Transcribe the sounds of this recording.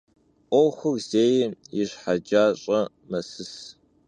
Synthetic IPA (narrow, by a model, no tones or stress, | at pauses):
ʔʷowxʷʊrz̥eːjjɪɕħad͡ʒaːɕʼɐ | mɐsɨs